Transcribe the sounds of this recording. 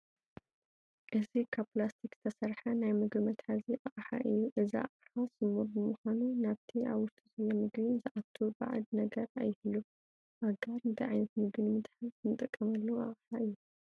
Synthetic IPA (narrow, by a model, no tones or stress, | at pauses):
ʔɨzikʰaβplast̪ʰikz̥ɨ̥t̪ʰɐsɐɾħanajmɨɡbimɐt̪ħaziʔaχʼħa̰ʔɨjːuʔɨzia̰qʼħasɨmuɾbɨmuxʷanunaβt̪ʰiaβwʊst̪ʼizɐjːɐmɨɡβinzɨʔat̪ʰːuba̰ʕa̰d̪nɐɡɐɾajːɪhɨlːu | ʔaɡaɾɨnt̪ʰɐʕajnɐt̪mɨɡɨnmɨt̪ʼħazt̪ɨnɨt̪ʼɨkʼːɐmɐlːɐwuʔa̰χʼħaʔɨjːu